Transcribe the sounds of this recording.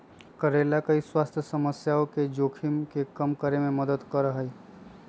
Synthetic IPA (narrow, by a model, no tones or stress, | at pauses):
kəɾeːlakɐiswaːst̪ʰjəsəməsjaːõked͡ʒoːkʰɪmkekɐmkəɾemẽməd̪əd̪kəɾəɦəi